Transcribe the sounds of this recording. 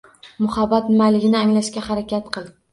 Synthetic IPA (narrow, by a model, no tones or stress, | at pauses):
mʊhabːat̪nɪmalɪɡʲɪnɪaŋlaʃkʲahaɾakʲat̪qʰɨlˠ